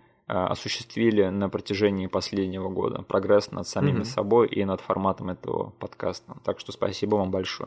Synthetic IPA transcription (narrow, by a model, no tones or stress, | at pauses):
ɐ̰sʊɕːɪ̥st̪vʲilʲɪnəpɾətʲɪʐɛnʲɪːpɐsʲlʲedʲnʲɪvəɡo̞̰d̪ə̰pɾɐɡɾɛsnə̰t̪sɐmʲimʲɪsɐbo̞jʔḭnət̪fɐrmat̪əmɛt̪ə̰və̰pɐt̪kast̪ət̪akʂt̪ospɐ̰sʲibəvambɐlʲʂo̰jə